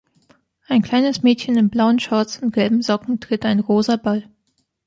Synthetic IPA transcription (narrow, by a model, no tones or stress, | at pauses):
ʔaɪnkl̥aɪnəsmɛːtçənɪmblaʊənʃaɐt͡sʊnt̚ɡ̥ɛlbm̩zɔkŋ̩tʁ̥ɪtaɪnʁoːzɐbal